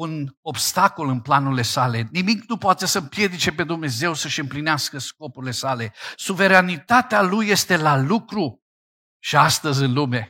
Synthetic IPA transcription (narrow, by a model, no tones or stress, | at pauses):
uno̞bst̪ako̞lɨnplanule̞salenimiknupoat̪esəmpje̞d̪it͡ʃe̞pe̞d̪umne̞ze̞wsəʃɨmplineaskəsko̞puɾile̞sale̞suve̞ɾanit̪at̪ealujːe̞st̪e̞lalukɾu | ʃiast̪əzʲɨnlume̞